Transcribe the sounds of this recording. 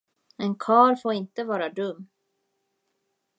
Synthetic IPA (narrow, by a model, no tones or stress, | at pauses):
ɛnkʰɑːɾfoːɾɪnt̪əvɑːɾad̪ɵmː